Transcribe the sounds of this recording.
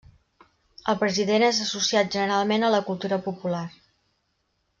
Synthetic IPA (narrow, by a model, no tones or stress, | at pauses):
əlˠpɾəziðenezəsusiat̪̚ʒənəɾalˠmenələkulˠt̪uɾəpupular